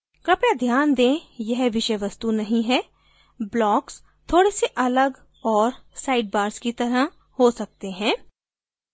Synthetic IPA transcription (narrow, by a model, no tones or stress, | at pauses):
kɾɐpjad̪ʱjaːnd̪ẽːjɛɦʋɪʃəjʋɐst̪unɐɦĩɦɛː | blɔːks | t̪ʰoːɽeseʔɐləɡ | ɔːɾsaːɪɖ̚baːɾskit̪ɐɾə | hosɐk̚t̪eɦɛ̃ː